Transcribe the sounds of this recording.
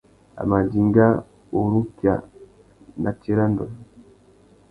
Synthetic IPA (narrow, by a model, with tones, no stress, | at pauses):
a̰˨ma˨di˨ŋɡa˦ | o˨ɾu˦kja̰˨ | na˨ti˦ɾa˦ndɔ˨